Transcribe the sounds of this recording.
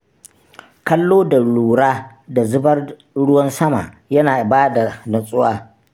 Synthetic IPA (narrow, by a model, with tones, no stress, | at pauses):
kɐ˦lːoː˦da˨ɽuː˨ɽaː˦ | da˨zʊ˦bɐ˦r | ɽʊ˦wɐ˦nsɐ˦ma̰ː˨ | jɐ˦naː˨baː˦da˨dɐ˨sʼʊ˦waː˦